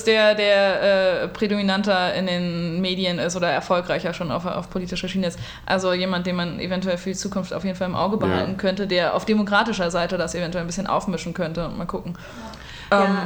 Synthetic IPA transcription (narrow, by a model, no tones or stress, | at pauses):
sd̥eːɐdeːɐʔɛːpʁ̥edominantɐɪ̰ndeːnmeːdiənɪstʔoːdɐɛ̰ɐfɔlkʁ̥aɪçaʃoːna̰ʊfa̰ʊfpʰoliːtɪʃɐʃiːnəɪst | ʔa̰lzojeːmant̚d̥eːnmanʔḛvɛntuɛlfyːɐdit͡suːkʊnftaʊfjeːdn̩falɪmʔa̰ʊɡəbəha̰ltn̩kʰœntədeːɐʔa̰ʊfd̥emokʁ̥aːtɪʃɐzaɪtədasevɛntuɛlnbɪsçənʔa̰ʊfmɪʃn̩kʰœntəʊntmaːlkʰʊkŋ̩ | ʔɛːm